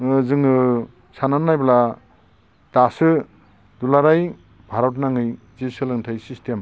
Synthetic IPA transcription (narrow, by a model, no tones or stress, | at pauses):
ɯzɯŋɯ | sananːajbla | d̥asɯ | dulaɾaj | bʱaɾɔt̬̚naŋɯj | zisɯlɯŋtʰɯjsistʰem